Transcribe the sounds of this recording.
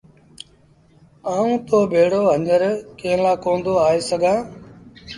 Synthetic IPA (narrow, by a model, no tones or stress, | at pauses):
aːũːt̪oːbʱeːɽoːɦəɲəɾkẽːlaːkõːnd̪oːaːeːsəɡʱãː